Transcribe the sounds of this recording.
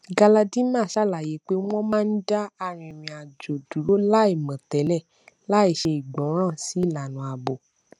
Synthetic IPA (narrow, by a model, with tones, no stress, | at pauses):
ɡa˧la˧dĩ˦mã˦˨ʃa˦˨la˨je˨˦k͡pe˦w̃ɔ̃˦mãː˦n̩˦da˦a˧ɾ̃ĩ˧e˨mĩ˧a˨d͡ʒo˨du˨˦lo˦la˦i˦˨mã˨tɛ˨˦lɛ˦˨ | la˨˦i˦˨ʃe˧i˨ɡ͡bɔ̃˨˦ɾ̃ã˦˨si˨˦˨la˨nũ˨˦a˨bo˨